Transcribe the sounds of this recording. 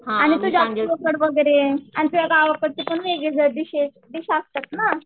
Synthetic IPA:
ɦãañit̪ud͡ʑaʋəkəɽʋəɡəjɾeanit̪ujaɡaʋəkəɽt̪ipəɳʋeɡed͡zəd̪iɕeʃ | d̪iɕast̪at̪na

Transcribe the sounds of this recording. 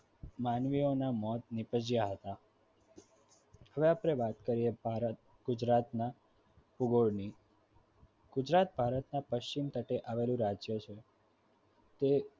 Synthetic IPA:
manʋionamɔt̪nɪpəd͡ʒjaɦət̪a | ɦəʋeapɾeʋat̪kəɾiebaɾt̪̚ | ɡ̥ʊd͡ʒɾat̪na | puɡoɽni | ɡ̥ʊd͡ʒɾat̪̚bʱaɾət̪napəʃt͡ʃimt̪əʈeʔaʋelũɾad͡ʒjət͡ʃʰe | t̪e

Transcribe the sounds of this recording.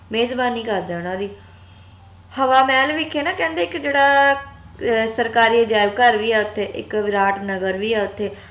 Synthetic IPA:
meːzbaːniːkəɾd̪eːʊɽ̃ãːd̪iː | həʋaːmɛːlʋikʰːeːnãːkɛ̃ːnd̪eːkd͡ʒeːɽaː | səɾkaːɾiːəd͡ʒaːɪbkəɾʋiːɛːʊt̪ʰːeːʔɪ̰kɾaːʈnəɡəɾʋiːɛːʊt̪ʰːeː

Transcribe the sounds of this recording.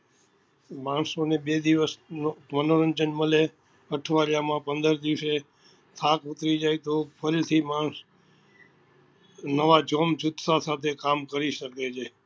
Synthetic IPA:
mãɳsonebed̪iʋəsnomənoɾənd͡ʒənməle | əʈʰʋaɾjamãpə̃nd̪əɾd̪iʋse | t̪ʰakʊt̪ɾid͡ʒajt̪opʰəɾit̪ʰimaɳs | nəʋad͡ʒomd͡ʒʊt̪sasat̪ʰekamkəɾiʃəket͡ʃʰe

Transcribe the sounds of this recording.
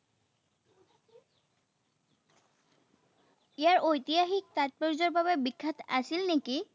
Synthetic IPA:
ijaɹʔojt̪iaxik̚t̪at̚pɔɹizɔɹbaβɛbikʰːatʰa̰silneki

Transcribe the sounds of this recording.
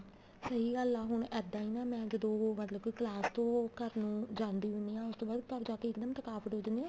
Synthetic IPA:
səɦiːɡəlaːɦʊɳɛːd̪ãːiːnaːmɛ̃ːd͡ʒəd̪õːmət̪ləbklaːst̪õːkəɾnũːd͡ʒãːnd̪iːʋɪniːãːʊst̪õːbaːd̪kəɾd͡ʒaːkeːɪkd̪əmt̪əkaːpəʈɦoːd͡ʒnẽː

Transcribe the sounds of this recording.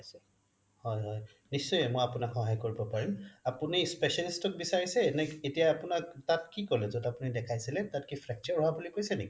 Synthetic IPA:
sɛ | hɔjɦɔj | nisːɔjɛmɔjapunakxɔɦajkoɹibɔpaɹimapunispesalistɔk̚bisaɹisɛnɛetijaːpʊnaktatkikɔlɛzodapunidɛkʰajsilɛtatkipʰɹɛk̚tiɔɹɔɦabulikojsɛneki

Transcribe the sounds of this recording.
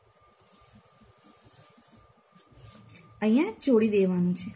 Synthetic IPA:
əj̃jãt͡ʃoɽid̪eʋanũt͡ʃʰe

